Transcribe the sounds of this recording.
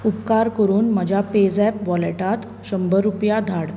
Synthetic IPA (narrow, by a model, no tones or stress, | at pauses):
upkaɾkəɾuːnməd͡ʑʱjaped͡zɛpʋɔleʈat̪ | ɕəmbəɾupjad̪ʱaɽ